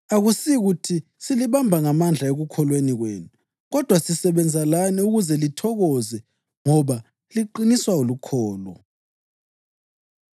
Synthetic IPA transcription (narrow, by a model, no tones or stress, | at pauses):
aɣusiɣutʰi | siliβambʱaŋamand͡ɮʱaeɣukʰɔlweniɣwḛːnu | ɣɔd̥ʱwasisɛβɛnd͡zʱalaniuɣuzɛlitʰɔɣɔzɛ | ŋɔβa | liǃiniswaolukʰɔːlɔ̰